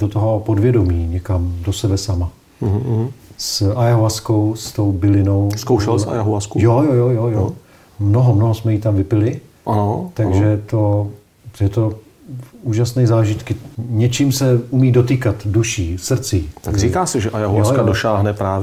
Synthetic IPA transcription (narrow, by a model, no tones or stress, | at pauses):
dot̪oɦopodvjɛdo̞miːɲɛkamdo̞sɛbɛsama | sajaɦoaskowst̪o̞wbɪlɪno̞wskowʃɛlsa̰jaɦuaskujojojojojo | mnoɦomnoɦosmɛjit̪amvɪpɪlɪ | ʔanot̪aɡʒɛt̪o̞ | jɛt̪o̞ | uːʒasnɛjzaːʒɪt̪kɪɲɛt͡ʃiːmsɛumiːdo̞t̪̬iːkat̪duʃiːsr̩t͡siːt̪aɡriːkaːsɛʒɛʔajaɦuasjkadoʃaːɦnɛpɾaːvj